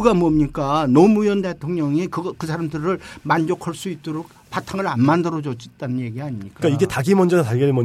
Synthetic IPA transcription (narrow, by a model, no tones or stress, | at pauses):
ɡamʌmɲik͈anomujʌnde̞tʰoŋɲʌŋikɯʌkɯsʰaɾamdɯɾɯɭmand͡ʑokʰaɭs͈uit̚t͈oɾok̚ | patʰaŋɯɾanmandɯɾʌd͡ʑʌt͡ɕ͈it̚t͈anɯnje̞ɡiaɲimɲik͈ak͈aiɡe̞taɡimʌnd͡ʑʌnataɡeimʌ